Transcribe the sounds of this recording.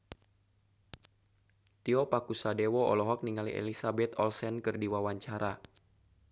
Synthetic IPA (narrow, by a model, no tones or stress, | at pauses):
t̪iɔpakusadɛwɔɔ̰lɔɦɔk̚niŋalḭʔɛ̰lisabɛt̪ɔlsɛnkɨrdiwawaɲt͡ʃaɾa